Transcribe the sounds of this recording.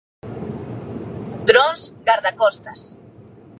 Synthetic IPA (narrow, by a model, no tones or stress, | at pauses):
d̪ɾõnzɡaɾðakɔst̪as